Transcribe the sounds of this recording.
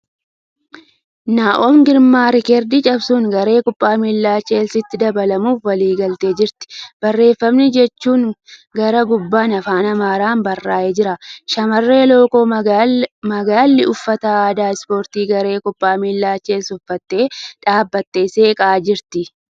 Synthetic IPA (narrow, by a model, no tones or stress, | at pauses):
naːʔoːmɡɪɾmaːɾɪkɛɾd̪ɪt͡ʃʼɐbsuːŋɡɐɾe̞ːkʊpʼːaːmiːlːaːt͡ʃːeːlsɪt̪ːɪd̪ɐbɐlɐmuːfwɐliːɡɐlt̪e̞ːd͡ʒɪɾt̪ɪ̥b̥ɐrːe̞ːfːɐmnɪd͡ʒɛt͡ʃːuːŋɡɐɾɐɡʊbːaːnɐfaːnɐmaːɾaːnbɐrːaːʔeːd͡ʒɪɾɐʃɐmɐrːe̞ːlo̞ːkoː | mɐɡaːlːɪʊfːɐt̪ɐaːd̪aːɪspo̞ːɾt̪iːɡɐɾe̞ːkʊpʼːaːmiːlːaːt͡ʃːe̞ːlsʊfːɐt̪ːe̞ːᶑaːbːɐt̪ːe̞ːse̞ːkʼaːd͡ʒɪɾt̪ɪ